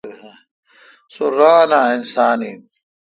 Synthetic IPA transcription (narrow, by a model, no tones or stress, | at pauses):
suɾaːnaːinsaːni